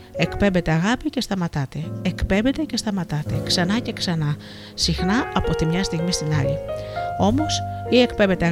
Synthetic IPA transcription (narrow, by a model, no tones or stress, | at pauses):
e̞kpe̞mbe̞t̪e̞ɐɣɐpice̞st̪ɐmɐt̪ɐt̪e̞ekpe̞mbe̞t̪e̞ce̞st̪ɐmɐt̪ɐt̪e̞ksɐnɐce̞ksɐnɐ | sixnɐɐpo̞t̪imɲɐst̪iɣmist̪inɐʎio̞mo̞sie̞kpemve̞t̪e̞ɐ